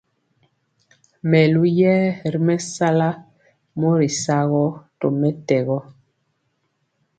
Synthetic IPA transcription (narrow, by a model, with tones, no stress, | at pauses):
mɛ˨lu˦jɛː˦ɾi˦mɛ˦sa˦la˦ | mo˦ɾi˨sa˦ɣɔ˦to˨mɛ˦tɛ˨ɣɔ˦